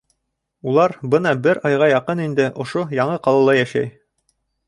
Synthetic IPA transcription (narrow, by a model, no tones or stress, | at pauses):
ulˠɑɾbɤnɑbɘɾɑjʁɑjɑqɤnind̪ɘʔŏʃojɑɴɤqɑlˠɑlˠɑjæʃæ̰j